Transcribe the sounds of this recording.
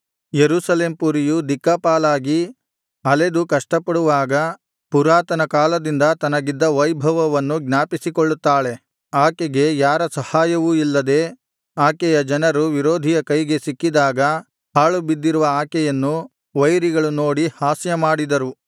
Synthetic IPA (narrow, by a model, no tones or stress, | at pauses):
jeɾuːsɐle̞ːmpuɾijud̪ikːapaːlaːɡi | ɐled̪ukɐʂʈɐpːɐɽuʋaːɡɐ | puɾaːt̪ɐnɐkaːlɐd̪ind̪ɐt̪ɐnɐɡid̪ːɐʋɐjbʱɐʋɐʋɐnːuɡnaːpisikoɭːut̪ːaːɭe̞ | aːkeɡe̞jaːɾɐsɐhaːjɐʋuilːɐd̪e̞ː | aːkɛjɐd͡ʒɐnɐɾuʋiɾoːd̪ʱijɐkɐjɡe̞sikːid̪aːɡɐ | haːɭubid̪ːiɾuʋɐaːkɛjɐnːu | ʋɐjɾiɡɐɭuno̞ːɽihaːsjɐmaːɽid̪ɐɾu